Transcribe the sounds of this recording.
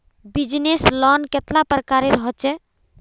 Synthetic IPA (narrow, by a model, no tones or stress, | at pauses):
bid͡ʒneslɔnket̪lapɾəkaɾeɾɔɦɔt͡ʃɛ